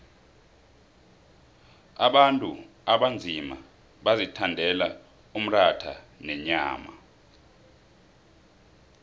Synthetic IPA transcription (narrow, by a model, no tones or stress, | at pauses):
aɓantʼṵ | aɓand͡zʱima̰ | ɓazitʰandʱɛla | um̩ratʰa̰ | nɛɲaːma̰